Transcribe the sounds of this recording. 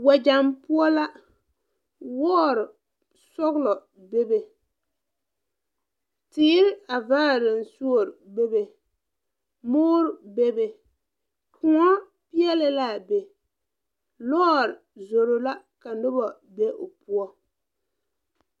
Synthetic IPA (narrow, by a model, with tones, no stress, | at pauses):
wa˨d͡ʒa˨mpʊ˦ɔ˦la˦ | wɔː˦ɾɪ˨ | sɔ˦ɣlɔ˨ | be˦be˨ | tɪː˦ɾɪ˦a˨vaː˦˨ɾɪ˨n˨su˦o˨ɾbe˦be˨ | mʊː˦ɾɪ˨be˦be˨ | kʊ˨ŋɔ˦ | pi˦ɛ˦lɪ˨la˦˨be˨ | lɔː˦˨ɾɪ˨zo˨ɾo˨la˦ | ka˨nʊ˦bɔ˨ | be˦ʔo˨pu˦ɔ˦